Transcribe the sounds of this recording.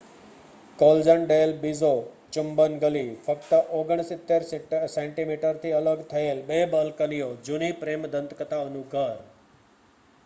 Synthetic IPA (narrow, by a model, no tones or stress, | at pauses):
kold͡ʒəɳɖelbizo | t͡ʃʊmbənɡəlifəkt̪əʔoɡəɳ̃sɪt̪ːeɾsẽɳʈimiʈəɾt̪ʰiələɡt̪ʰəelɓebəlkənijod͡ʒunipɾemd̪ə̃nt̪kət̪aənũɡʱəɾ